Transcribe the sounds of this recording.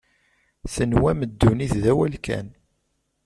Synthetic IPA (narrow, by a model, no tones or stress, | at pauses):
θənwæməd̪ːuniθðæwælkæ̰n